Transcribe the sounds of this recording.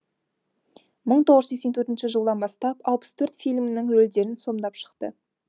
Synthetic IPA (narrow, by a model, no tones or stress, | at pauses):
məɴt̪ʰoʁəzekse̞nt̪ʰɵɾt̪ɪnʃɪʒəlˠd̪ɑnbɑst̪ɑpɑlˠpə̥st̪ʰɵɾt̪fijlʲmnɪŋwɵld̪e̞ɾɪnso̞md̪ɑpʃə̥qt̪ə̰